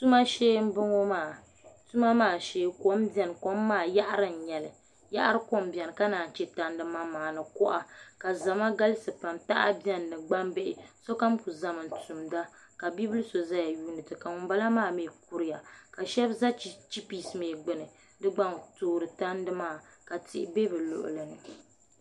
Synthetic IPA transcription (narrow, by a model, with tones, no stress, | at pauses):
tu˦ma˦ʃeː˦m̩˦bɨ˦ŋo˦maː˨ | tu˦ma˦maː˨ʃeː˦ko˦mbjɛ˨n˨ko˦mːaː˦˨ja˦ʔa˦ɾɨ˦˨n̩˨ɲɛ˨lɨ˨ | ja̰˦ʔa˦ɾɨ˦ko˦mbɛ˨n˨ka˦naː˨n˨t͡ʃɛ˦ta˦n˦dɨ˦ma˦maː˨nɨ˨kɔ˦ʔa˨ka˨za˨ma˦ɡa˦lɨ˦sɨ˨pa˨mta˦ʔa˦bjɛ˦nː˨ɨ˨ɡ͡ba˦mbe˦ʔɪ˨so˦ka˦mku˨za˦mɨ˨n˨tu˨mda˦ka˨bi˦bɨ˦lɨ˦so˨za˦ja˨juː˦nɨ˨tɨ˨ka˨ŋʊ˨mba˦la˦maː˦˨meː˨k̚u˦ɾɪ˦ja˨ka˨ʃɛ˦bza˦t͡ʃi˦pi˨smeː˨ɡ͡bɨ˨nɨ˨ | dɨ˦ɡ͡ba˦ŋtoː˦˨ɾɨ˨ta˦ndɨ˦maː˦˨ka˨tɪ̰˦ʔbe˦bɨ˨lʊ̰˨ʔʊ̰˨lɨ˨nɨ˨